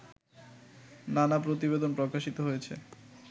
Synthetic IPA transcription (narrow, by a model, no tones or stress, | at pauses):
nanapɾot̪̬ibed̪onpɾokaʃit̪oɦojet͡ɕʰḛ